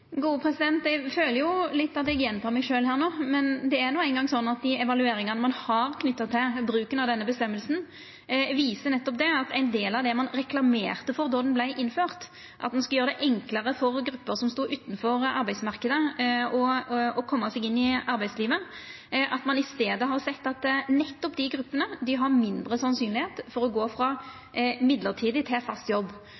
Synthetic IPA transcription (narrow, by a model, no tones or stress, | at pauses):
ɡuːəpʰɾɛsɪd̪ɛnt̪ɛɡføːləɾjʊlɪt̪ːɑt̪̚d̪ɛɛɡjɛnt̪ʰɑːmæɪʂøːlhæːʁnoːmɛnd̪ɛæɾnuːæɪnɡɑŋsɔnːɑt̪̚d̪ɪɛʋɑlʉeːɾɪŋɑnəmɑnhɑɾkʰnʏt̪ːɑt̪ʰːɪlbɾʉːkənɑʋd̪ɛnːəbəst̪ɛmːəlsn̩ | ʋiːsənɛt̪ːɔpd̪ɛɑt̪ʰæɪnd̪eːlɑd̪ɛmɑnʁɛklɑmḛːʁt̪əfɔɾd̪ɔɾd̪ɛnblæɪʔɪnːføːʁt̪ | ʔɑ̰t̪mɑnskɑljøːʁəd̪ɛʔɛŋkləɾəfɔʁɡɾʉpːəɾsɔmst̪uːʔʉːt̪ːn̩fɔɾɑɾbæɪsmɑʁkəd̪əɔɔkʰɔmːɑsɛɡɪnːɪɑɾbæɪd̪sliːʋə | ʔɑt̪mɑnɪst̪eːd̪əɦɑʁsɛt̪ːɑt̪nɛt̪ːɔpd̪ɪɡɾʉpːənəd̪ɪɦɑɾmɪnd̪ɾəsɑnsyːnlɪheːt̪fɔɾɔɡoːfɾɑ | mɪd̪ləʁt̪ʰiːd̪ɪt̪ʰɪfɑst̪jɔbː